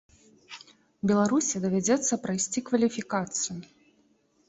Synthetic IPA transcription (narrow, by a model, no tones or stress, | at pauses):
bʲɛlˠaɾusʲid̪ɐvʲad͡zʲɛt̪sːɐpɾɐjsʲt͡sʲikvɐlʲifʲikat̪sɨju